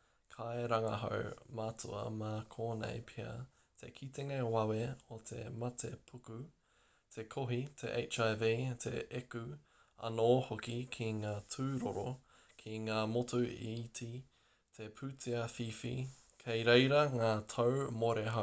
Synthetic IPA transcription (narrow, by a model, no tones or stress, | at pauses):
kʰaeɾɐŋɐ̰ɦo̰wmatʰṵɐ̰makʰoːnḛjpʰiɐ̰ | t̪ʰḛkʰit̪eŋewɐweot̪ʰe̞mɐtʰepʰuku | t̪ʰekʰoɦitʰḛʔḛjt͡ʃajviːtʰḛeku | ɐ̰noːhokikʰiŋaːtʰʉːɾoɾo | kʰiŋaːmotuḭtʰi | t̪ʰepʰʉːtʰiɐfifḭ | kʰejɾejɾɐŋaːtʰowmoɾeɦo